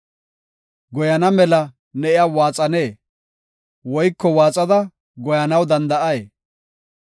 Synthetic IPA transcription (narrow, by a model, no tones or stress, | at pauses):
ɡɔjɐnɐmɛlɐ | nɛʔɪjawaːt͡sʼɐne̞ː | wɔjkːɔwaːt͡sʼɐd̪ɐ | ɡɔjɐnɐwd̪ɐnd̪ɐʔɐje